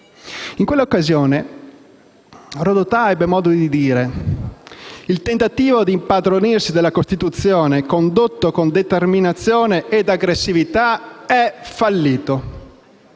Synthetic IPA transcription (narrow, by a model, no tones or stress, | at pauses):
iŋkwelːaokːazjoːne | rod̪ot̪aɛbːemɔːd̪od̪id̪iːɾe | ilt̪ent̪at̪iːvod̪impad̪ɾonirsid̪elːakost̪it̪ut̪sːjɔːnekond̪ot̪ːokond̪et̪erminat̪sːjɔːneʔːd̪aɡɾesːivit̪aɛfalːiːt̪o